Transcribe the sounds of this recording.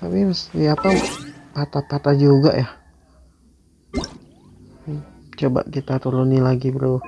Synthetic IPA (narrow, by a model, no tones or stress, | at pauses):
t̪apiməst̪iapapat̪apat̪ad͡ʒuɡa̰ʔjah | t͡ʃoba̰ʔkit̪at̪ulunilaɡibəɾo